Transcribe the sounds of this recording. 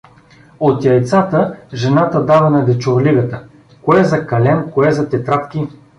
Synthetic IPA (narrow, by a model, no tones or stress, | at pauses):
ot̪jɐjt̪sat̪əʒɛnat̪əd̪avɐnɐd̪ɛt͡ʃoɾliɡət̪ə | koɛzɐkɐlɛnkoɛzɐt̪ɛt̪ɾat̪kʲi